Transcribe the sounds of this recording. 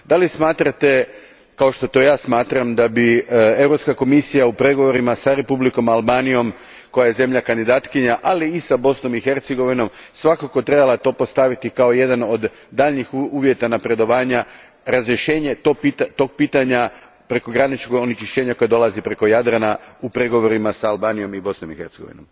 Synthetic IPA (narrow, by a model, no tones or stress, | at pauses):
d̪alismaːt̪ɾat̪e̞ | kao̞ʃt̪o̞t̪o̞jaːsmaːt̪ɾamd̪abie̞wɾo̞pskako̞misijaupɾe̞ɡo̞ʋo̞ɾimasaɾe̞publiko̞malˠbaːnijo̞m | ko̞jaje̞ze̞mʎakand̪id̪aːt̪kiɲaʔaliːsabo̞sno̞mixe̞ɾt̪seɡo̞ʋino̞msʋakako̞t̪ɾe̞balˠat̪o̞ːpo̞st̪aʋit̪ikao̞je̞d̪ano̞d̪ː | aːʎɲixuːʋje̞t̪anapɾe̞d̪o̞ʋaːɲa | ɾazɾje̞ʃe̞ːɲe̞t̪opit̪at̪o̞ɡ̚piːt̪aɲa | pɾe̞ko̞ɡɾanit͡ʃkoɡonit͡ʃiʃt͡ɕe̞ːɲako̞jad̪olˠazipɾe̞ko̞jad̪ɾanaupɾe̞ɡo̞ʋo̞ɾimasaalˠbaːnijo̞mibo̞sno̞mixeɾt̪seɡo̞̰ʋḭno̞̰m